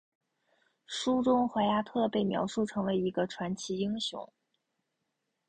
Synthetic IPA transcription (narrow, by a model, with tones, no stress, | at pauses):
ʂu˥ʈ͡ʂʊ˥ŋxwa˧˥ɪja˥t̪ʰɤ˥˧pe˥˩ɪmjɑ˧˥ʊʂu˥˩ʈ͡ʂʰɤ˧˥ŋwe˧˥ɪi˧˥ɡə˧ʈ͡ʂʰwa˧˥nt͡ɕʰi˧˥i˥ŋɕjʊ̰˧˥˦ŋ